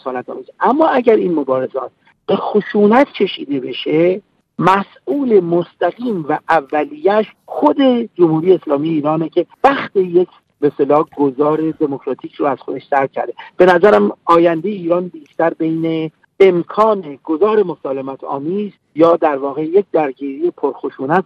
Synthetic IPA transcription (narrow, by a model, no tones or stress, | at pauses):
osɒːlæt̪ɒ̰ːmiːzʔæmːɒːæɟæɾiːnmo̞bɒːɾe̞zɒːt̪̚ | b̥e̞xoʃuːnæt̪ʰcʰe̞ʃḭːd̪e̞be̞ʃe̞ | mæsʔuːle̞most̪æɣiːmvæʔævːælijæʃxo̞d̪e̞d͡ʒomhuːɾijeːslɒːmijeiːɾɒːnecʰe̞væxt̪ejecʰ | best̪elɒːɡozɒːɾe̞d̪e̞mokʰɾɒːt̪ʰiːcʰɾoæz̥xo̞d̪e̞ʃsæɾcʰæ̰ɾd̪e̞b̥e̞næzæɾæmɒːjænd̪e̞jeiːɾɒːnbiːʃt̪æɾbe̞jne | emkʰɒːne̞ɡozɒːɾe̞mo̞sɒːle̞mæt̪ʰɒ̰ːmiːz | jɒːd̪æɾvɒːɣe̞jec̚ʰd̪æɾɟiːɾije̞pʰoɾxoʃuːnæt̪